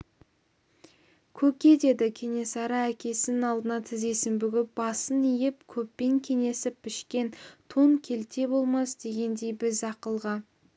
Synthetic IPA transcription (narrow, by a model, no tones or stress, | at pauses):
kʲʰɵkʲe̞d̪e̞d̪ɪkʲʰe̞ŋe̞sɑɾɑækʲʰe̞sɪnɪnɑlˠd̪ənɑt̪ʰɪze̞sɪmbʏɡʲɪp̚bɑsənijɪp̚kʲʰɵpːe̞ŋkʲʰe̞ŋe̞sɪpʰːɪʃkʲe̞nt̪ʰoŋkʲʰe̞lt̪e̞bo̞lˠmɑsd̪e̞ɡʲe̞nd̪e̞jbɪzɑqəlˠʁɑ